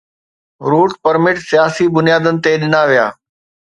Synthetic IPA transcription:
ɾuːʈpɐɾmɪʈsijaːsibʊnijaːd̪ənɪ̆t̪eɗɪnaʋija̰ː

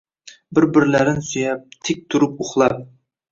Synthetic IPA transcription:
bɪɾbɪɾlæɾɪnsyjɛp̚t̪ʰɪk̚ʲt̪ʰuɾupoχlˠɑp̚

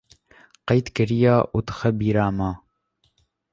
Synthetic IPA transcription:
qɑjt̪kɨɾijɑːʔud̪ɨxɐbiːɾɑːmɑː

